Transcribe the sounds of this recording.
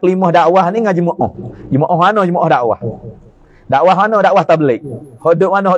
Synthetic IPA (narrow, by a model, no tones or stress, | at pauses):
klimɔhdaʔwahniŋad͡ʒəmoʔɔhd͡ʒəmoʔɔɦanohd͡ʒəmoʔɔhdaʔwa̰h | daʔwaɦanodaʔwaht̪abəlɛk̚hoʔdʊʔmanɔɦɔ